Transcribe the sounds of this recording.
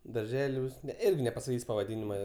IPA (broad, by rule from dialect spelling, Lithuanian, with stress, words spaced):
dɐrʲˈʒʲæːlʲuːs ˈɪrʲɡʲɪ nʲɛpɐsɐˈkʲiːsʲ pɐʋɐˈdʲɪnʲɪmɐ